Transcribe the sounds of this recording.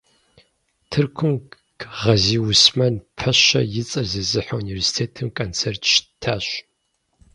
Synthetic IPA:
tʰɨrkʷʰʊm | ɡʁɐziːwʊsmɐnpʰɐɕɐ̰jɪt͡sʼɐzɨzɨħɐuniversi̥tʰeːtʰɨmkʰʼont͡sʰertʰʃtʰaːɕ

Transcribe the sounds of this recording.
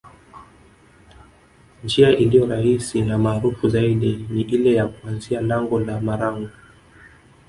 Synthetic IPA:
nd͡ʒiaʔilijɔɾahisinamaːɾufuzaiɗiniʔilɛjakuanzialaŋɡɔlamaɾaŋɡa

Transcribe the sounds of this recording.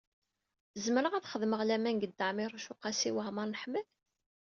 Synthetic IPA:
zməɾəʁæθχəðməʁlæmænɡəd̪ːəʕmɪɾˤuʃʊqɑsiwəʁməɾˤnəħməl

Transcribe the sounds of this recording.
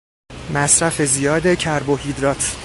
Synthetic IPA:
mæsɾæfe̞zijɒːd̪ecʰæɾbohid̪ɾɒːt̪ʰ

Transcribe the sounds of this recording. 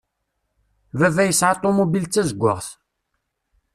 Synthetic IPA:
vævæjəsʕɑt̪ˤːomubilt͡sːæzəɡʷːə̰ʁθ

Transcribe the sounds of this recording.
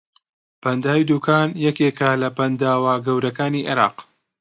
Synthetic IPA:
pɐnd̪aːwjd̪uːkʰaːnjɛkekɐlɐpɐnd̪aːwaːɡɐwɾɐkaːniʔɪ̰ɾɑ̰ːq

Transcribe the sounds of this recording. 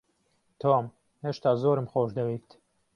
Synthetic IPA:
t̪ʰoːm | heːʃt̪ɑːzoːɾɨmxoːʃd̪ɐwit̪

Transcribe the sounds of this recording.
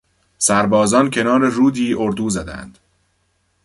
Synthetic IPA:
sæɾbɒːzɒːncʰe̞nɒːɾeruːd̪iːʔoɾd̪uːzæd̪æ̰nd̪̥

